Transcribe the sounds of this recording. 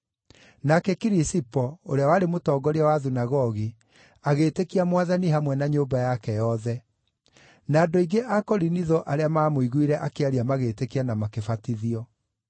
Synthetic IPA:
nakɛkiɾisipɔoɾeawaɾemotɔːɡɔɾiawaðunaɣɔɣi | aɣeːtekiamwaðaniɦamwɛnaɲoːbajakɛjɔðɛ | naːdoiɡeʔakɔɾiniðɔʔaɾeamaːmoiɣuiɾɛʔakeaɾiamaɣeːtekianamakefatiðiɔ

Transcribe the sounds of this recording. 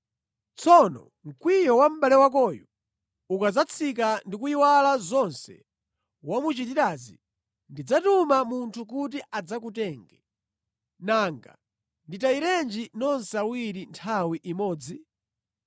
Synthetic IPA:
t͡sʰɔnɔ̰ | ŋ̩kwijɔwam̩balɛwak̬ɔju | ukad͡zat͡sʰik̬andikuiwalazɔnsɛ̰ | wamut͡ʃitiɾaːzi | ndid͡zatumamuntʰuk̬utiʔad͡zak̬utɛːŋɡɛ | naŋɡa̰ | nditaiɾɛnd͡ʒinɔnsawiɾintʰawiʔimɔːd͡zi

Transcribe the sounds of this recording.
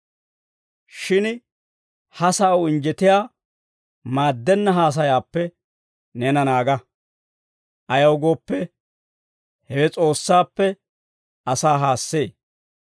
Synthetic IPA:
ʃɪn | hɐsaːwɪnd͡ʒɛt̪ɪjaː | maːd̪ːɛnːɐɦaːs̬ɐjaːpːɛ | nɛnɐnaːɡɐ | ʔɐjɐwɡoːpːɛ | hɛwɛt͡sʼo̞ːsːaːpːɛ | ɐsaːɦaːsːe̞ː

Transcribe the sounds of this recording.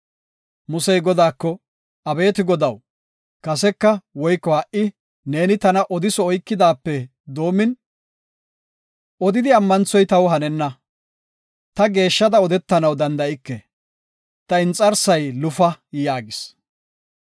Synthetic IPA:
mʊsɛjɡɔd̪aːkːɔ | ɐbe̞ːt̪ɪɡɔd̪ɐw | kɐsɛkːɐwɔjkːɔhɐʔɪ | ne̞ːnɪt̪ɐnɐʔɔd̪ɪsɔɔjkːɪd̪aːpːɛ | d̪o̞ːmːɪn | ʔɔd̪ɪd̪ɪɐmːɐnt͡sːɔjt̪ɐwɦɐnɛnːɐ | t̪ɐɡe̞ːʃːɐd̪ɐɔd̪ɛt̪ːɐnɐwd̪ɐnd̪ɐɪkːɛ | t̪ɐɪnt͡sʼɐɾsɐjlʊfɐjaːɡɪs

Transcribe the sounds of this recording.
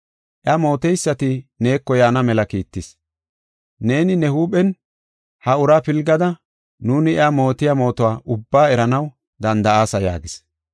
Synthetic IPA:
ʔjamo̞ːt̪ɛjsːɐt̪ɪne̞ːkːɔjaːnɐmɛlɐkiːt̪ːɪs | ne̞ːnɪnɛhuːɓɛn | hɐʊɾaːpɪlɡɐd̪ɐ | nuːnɪɛamo̞ːt̪ɪjamo̞ːt̪ɔwaːʔʊbːaːɛɾɐnɐw | d̪ɐnd̪ɐaːsɐja̰ːɡɪs

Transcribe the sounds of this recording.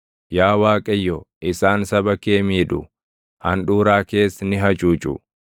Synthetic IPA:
jaːwaːkʼɐjːɔʔɪsaːnsɐbɐkeːmiːᶑ̪ʊ̰ | hɐ̰nᶑuːɾaːke̞ːsːɐnɪɦɐt͡ʃʼuːt͡ʃʼʊ̰

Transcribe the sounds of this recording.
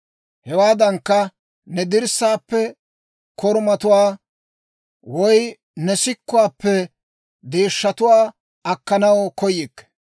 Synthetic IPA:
hɛwaːd̪ɐŋkːɐ | nɛd̪ɪɾsaːpːɛ | kɔɾmɐt̪ʊwaː | wɔj | nɛsɪkːʊwaːpːɛ | d̪eːʃːɐt̪ʊwaː | ɐkːɐnɐwkɔjɪkː

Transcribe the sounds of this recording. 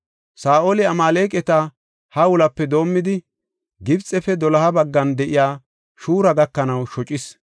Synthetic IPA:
saːʔolɪɐmaːle̞ːkʼɛt̪ɐ | hɐwʊlɐpːɛd̪o̞ːmːɪd̪ɪ | ɡɪbt͡sʼːɛfɛd̪ɔlɐhɐbɐɡːɐnd̪ɛʔɪjaː | ʃuːɾɐɡɐkːɐnɐwʃɔt͡ʃʼɪs

